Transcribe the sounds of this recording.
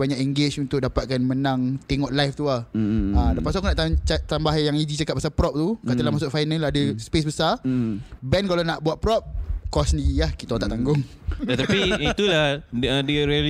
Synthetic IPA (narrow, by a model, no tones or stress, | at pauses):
baɲakɛŋɡet͡ʃunt̪ʊk̚dapat̪̚kanmənãŋt̪eŋɔʔlajft̪uahãdapas̬okunaʔt̪aat̪ambaɦjaŋid͡ʒit͡ʃakat̚pmasalpɾɔp̚t̪ukat̪alahmasʊʔfajnaladəspes̬bəsa | bɛnkalanaʔbuaʔ̪̚pɾɔp̚kɔsəndiɾilahkit̪aot̪aʔt̪aŋɡʊŋ | at̪apiit̪ulahədiɾial